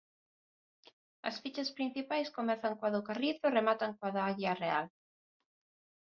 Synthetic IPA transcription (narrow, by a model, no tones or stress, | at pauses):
ɐ̰sfit͡ʃɐspɾin̟θipajskomɛθaŋkwaðokariθʊremat̪aŋkwaðaaɣiarea̰l